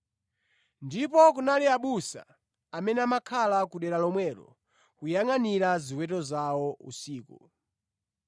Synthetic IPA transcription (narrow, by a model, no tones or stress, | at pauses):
ndipɔkunaliaɓusa̰ | amɛnɛamakʰalakuɗɛɾalɔmwɛːɾɔ̰ | kujaŋaniɾaziwɛtɔzawɔṵsiːkṵ